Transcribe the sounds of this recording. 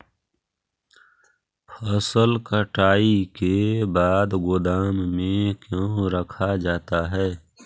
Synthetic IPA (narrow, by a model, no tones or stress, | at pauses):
pʰəsəlkəʈaːikebaːd̪ɡʊd̪aːmːẽkjõːɾəkʰad͡ʒaːt̪aɦɛː